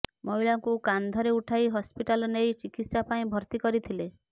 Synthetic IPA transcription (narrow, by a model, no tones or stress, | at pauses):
mɔɦilaŋkukand̪ʱɔɾeuʈʰajɦɔspiʈalɔnejt͡ʃikit̪sapaĩbʱɔɾt̪ikɔɾit̪ʰile